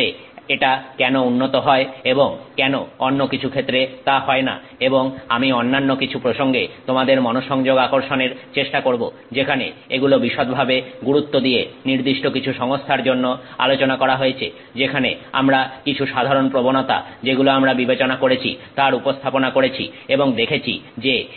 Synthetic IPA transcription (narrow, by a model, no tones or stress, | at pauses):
e | eʈakɛnounːot̪oɦɔeeboŋkɛnoonːokit͡ɕʰukʰet̪ːɾet̪aɦɔena̰ | eboŋamionːanːokit͡ɕʰupɾoʃoŋɡet̪omad̪eɾmɔnoʃɔŋd͡ʑoɡakoɾʃoneɾt͡ɕeʃʈakoɾbo | d͡ʑekʰanḛeɡulobiʃot̪bʱabeɡuɾut̪ːod̪ijeniɾd̪iʃʈokit͡ɕʰuʃɔŋost̪ʰaɾd͡ʑonːoa̰lot͡ɕonakɔɾaɦojet͡ɕʰḛ | d͡ʑekʰanea̰mɾakit͡ɕʰuʃad̪ʱaɾonpɾobonot̪a̰d͡ʑeɡuloamɾabibet͡ɕonakoɾet͡ɕʰḭt̪aɾupost̪ʰaponakoɾet͡ɕʰḭeboŋd̪ekʰet͡ɕʰḭ | d͡ʑe